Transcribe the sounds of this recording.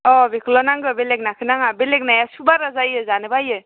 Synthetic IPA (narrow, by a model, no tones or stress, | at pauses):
ɔbekʰɯlɔnaŋɡɯbelek̚nakʰɯnaŋabelek̚najasubaɾazajɯzanɯbajɯ